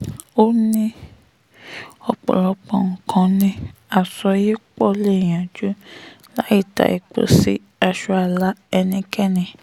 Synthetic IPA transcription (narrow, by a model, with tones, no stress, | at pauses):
o˦nĩ˦ | ɔ˧k͡pɔ̰˨ɾɔ˨˧k͡pɔ̃˨ŋ̩˨kʰã˧˦nĩ˧a˨sɔ˧ji˦k͡pɔ˦le˦˨j̃ã˨d͡ʒu˦ | la˦i˦˨ta̰˨ḭ˨k͡po̰˨sḭ˦ | a˧ʃu˧˦a˨la˨˦ɛ˧nĩ˧kɛ˦nĩ˨